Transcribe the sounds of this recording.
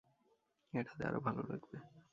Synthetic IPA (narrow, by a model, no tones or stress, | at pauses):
eʈʰat̪ʰea̰ɾobʱaloɾaɡbe